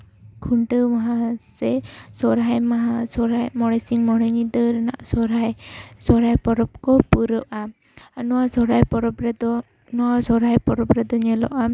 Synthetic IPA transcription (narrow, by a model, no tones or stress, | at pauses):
kʰuɳʈəmaɦasɛsɔɾajmaɦasɔɾajmɔɽ̃ɛsiŋmɔɽɛɲid̪əɾɛna̰ʔsɔɾajsɔɾajpɔɾɔpkɔpuɾɔʔa | anɔwasɔɾajpɔɾɔpɾɛd̪ɔ | nɔwasɔɾajpɔɾɔpɾɛd̪ɔɲɛlɔ̰ʔa